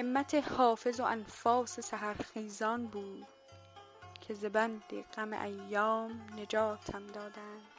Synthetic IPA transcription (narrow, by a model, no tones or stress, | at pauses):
emːæt̪ʰehɒːfe̞zoʔænfɒːsesæɦæɾxiːzɒːnbuːd̪̥ | cʰe̞zebænd̪ḭɡ̥æmḛʔæjːɒːmne̞d͡ʒɒːt̪ʰæmd̪ɒːd̪ænd̪̥